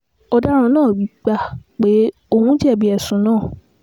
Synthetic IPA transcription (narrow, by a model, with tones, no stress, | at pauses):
ɔ˧da˦ɾ̃ã˧nãː˦˨wi˨˦k͡pa˧k͡pe˨˦ | o˦˧hũ˦d͡ʒɛ˦˨bi˧˦ɛ˨sũ˨˦nãː˦˨